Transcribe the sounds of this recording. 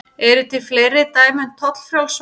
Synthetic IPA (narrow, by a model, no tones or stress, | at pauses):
ɛɾʏt̪ʰɪlfleːɾɪt̪aːjmɛn̥t̪ʰːɔt̪l̥fɾjawls